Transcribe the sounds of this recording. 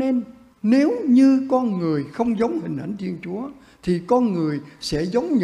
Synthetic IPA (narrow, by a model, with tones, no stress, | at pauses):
ne˧n | ne˨˦wɲɨ˧kɔ˧nŋɨ˨˩əjxə˧wŋ͡mzə˨˦wŋ͡mhï˨˩ŋ̟ʔa̰˧˩jŋt̪ʰi˧ənt͡ɕu˨˦ə | t̪ʰi˨˩kɔ˧nŋɨ˨˩əjsɛ̰˧˥zə˨˦wŋ͡mɲɨ˧